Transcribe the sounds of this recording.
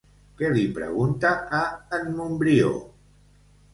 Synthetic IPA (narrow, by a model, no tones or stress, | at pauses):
kelipɾə̰ɣunt̪aaːnmumbɾio̰